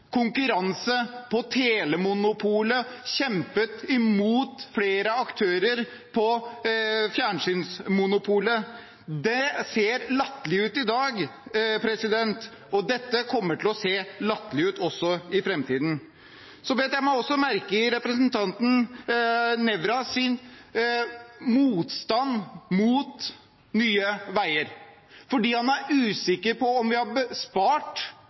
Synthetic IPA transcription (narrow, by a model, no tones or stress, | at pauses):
kʰʊŋkʉɾɑnsəpʰɔt̪ʰeːləmʊnʊpʰuːləɕɛmpət̪ɪmuːt̪fleːɾəɑkt̪ʰøːɾəɾ | pʰɔ | fjæːɳʂyːnsmʊnʊpʰuːlə | d̪ɛseːɾlɑt̪ːlɪʉːt̪ɪd̪ɑːɡpʰɾɛsɪd̪ɛnt̪ | ɔd̪ɛt̪ːəkʰɔmːəʈɪlɔseːlɑt̪ːlɪʉːt̪ɔsːɔɪfɾɛmt̪ʰiːd̪n̩ | sɔʋeːt̪jæɪmɔɔsːɔmæɾkəɾɛpɾɛsənt̪ʰɑnt̪n̩ | nɛʋɾɑsɪn | muːt̪st̪ɑnːmuːt̪ | nyːəʋæɪəɾ | fɔɖiːhɑnæɾʉːsɪkːəɾpʰɔɔmʋɪhɑɾbəspɑːʈ